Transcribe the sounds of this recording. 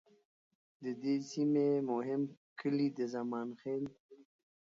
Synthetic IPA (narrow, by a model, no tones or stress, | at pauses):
d̪əd̪esimemʊɦɪmkʰəlid̪əzamɑːnxeːl